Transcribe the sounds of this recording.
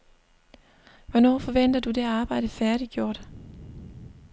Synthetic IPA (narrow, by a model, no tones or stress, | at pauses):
ʋɒnɒ̰ːfɒ̽ʋen̰d̥ɐd̥ud̥e̝æɑ̈ːb̥ɑ̈ɪ̰d̥əfæɐɾ̥iɡ̥jo̝ɐ̰d̥